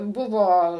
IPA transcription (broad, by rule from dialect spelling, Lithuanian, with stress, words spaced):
ˈbʊʋoː